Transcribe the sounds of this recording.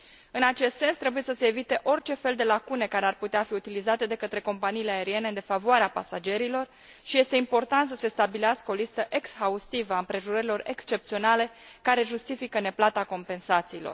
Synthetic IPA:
ɨnat͡ʃe̞st̪se̞nst̪ɾe̞buje̞səse̞ːvit̪e̞ʔo̞rt͡ʃe̞fe̞ld̪e̞lakune̞kaɾe̞arput̪eafiut̪ilizat̪e̞d̪e̞kət̪ɾe̞ko̞mpaniːleae̞ɾie̞ne̞d̪e̞favoaɾeapa̰sad͡ʒe̞ɾilo̞r | ʃije̞st̪e̞impo̞rt̪ant̪səse̞st̪abileaskəo̞list̪əʔe̞ksxaust̪ivəaɨmpɾe̞ʒuɾəɾilo̞ɾe̞̰kst͡ʃe̞p̚t̪sio̞nale̞kaɾe̞ʒust̪ifikəne̞plat̪ako̞mpe̞nsat̪siːlo̞̰r

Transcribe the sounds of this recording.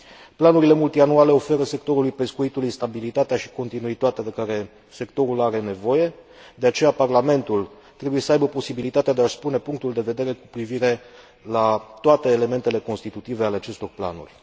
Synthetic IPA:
planuɾile̞mult̪ianuale̞o̞fe̞ɾəse̞k̚t̪o̞ɾulujpe̞skuit̪ulujst̪abilit̪at̪eaʃi̥ko̞nt̪inuit̪at̪ead̪e̞kaɾe̞ | se̞kt̪o̞ɾulaɾe̞ne̞vo̞je̞ | d̪e̞at͡ʃe̞japarlame̞nt̪ul | t̪ɾe̞buje̞səajbəpo̞sibilit̪at̪ead̪e̞aspune̞puŋk̚t̪uld̪e̞ve̞d̪e̞ɾe̞ku̥pɾiviɾe̞ | lat̪oat̪e̞ːle̞me̞nt̪e̞le̞ko̞nst̪it̪ut̪ivealeat͡ʃe̞st̪o̞rpla̰nṵrʲ

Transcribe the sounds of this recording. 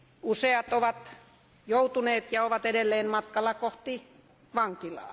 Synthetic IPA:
useɑt̪oʋɑt̪ | jout̪uneːt̪jɑoʋɑt̪edelːeːnmɑt̪kɑlːɑkoht̪i | ʋɑŋkilɑ̰ː

